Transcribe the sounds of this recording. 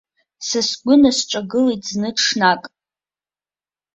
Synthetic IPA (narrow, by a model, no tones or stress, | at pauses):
sasɡʷʊnasʈ͡ʂʷʼaɡɨletʼznɨʂnakʼ